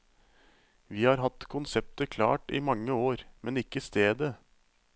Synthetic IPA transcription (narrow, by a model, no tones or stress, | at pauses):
ʋiːhɑːɾɦɑt̪ːkʰʊnsɛp̚t̪əkʰlɑ̰ːʈɪ̰mɑŋːəoːɾmɛnɪkːəst̪eːd̪ə